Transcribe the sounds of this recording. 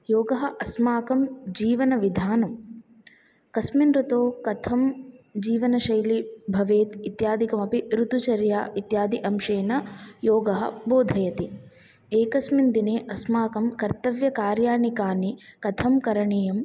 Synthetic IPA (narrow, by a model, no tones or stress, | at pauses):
joːɡɐɦɐʔɐsmaːkɐmd͡ʒiːʋɐnɐʋid̪ʱaːnɐm | kɐsminɾut̪oːkɐt̪ʰɐmd͡ʒiːʋɐnɐʃɐjlibʱɐʋeːt̪it̪jaːd̪ʱikɐmɐpiɾut̪ut͡ʃɐɾja̰ːit̪jaːd̪ʱiʔɐmʃeːnɐjoːɡɐɦɐ̰̆boːd̪ʱɐjɐt̪i | eːkɐsmind̪ineːʔɐsmaːkɐmkɐɾt̪ɐʋjɐkaːɾjaːnikaːnikɐt̪ʰɐmkɐɾɐɳeːjɐm